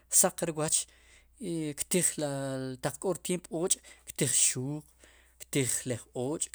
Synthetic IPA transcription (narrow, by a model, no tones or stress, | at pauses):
saqɾiwat͡ʃ | kt̪iχlat̪aq͡χkʼoɾt̪jempoːt͡ʃʼkt̪iχʃuːq | kt̪iχleχoːt͡ʃʼ